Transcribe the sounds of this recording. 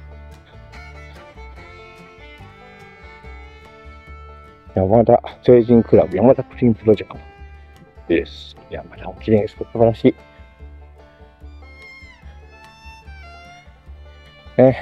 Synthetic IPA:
jamad̪aseːʑĩŋkɯ̟ɾa̰bɯ̟jamad̪akɯ̟ɾʲĩːmpɯɾo̞d͡ʑekt̪o | esjamad̪aokʲiɾẽɰ̃sɨ̥t̪osɨbaɾaɕiː | e

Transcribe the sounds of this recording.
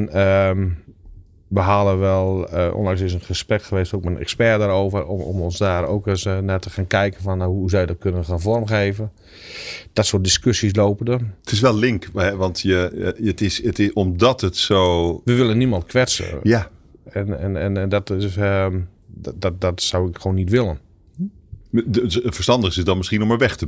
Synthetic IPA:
nəm | ʋəɦaːləʋɛlˠəo̰ːndaŋsɪs̬ənxəsprɛkxəʋeːstoːkmɛnɛ̰kspɛdaːɾoːvərɔ̰mɔnsdaːɾo̰ːkəsnatəxaːnkɛjkənfɔnaɦuzawjdɔt̚kʰønənxaːnfɔrmxeːvən | d̥ɔtsodiskøsis̬loːpəndətʰɪs̬ʋɛlˠlɪŋkhɛʋɑntjəətɪsətɪɔmdɔtətsoːʋəʋɪlˠənːimɔntkʰʋɛsə̰jaɛnɛnɛnɛndɔtɪ | ddɔtsawɪkxoːnːitʋɪlˠən | fəstɑndəɪsɪsdɔnmɪsxiənɔməʋɛxtə

